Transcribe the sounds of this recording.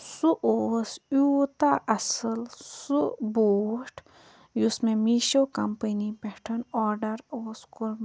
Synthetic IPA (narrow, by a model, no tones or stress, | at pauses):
suʔoːsjuːt̪aʔɐsəlsuboːʈʰ | jusmẽmiʃokɐmpənipɛʈʰənɔːɾɖɐɾoːskuɾ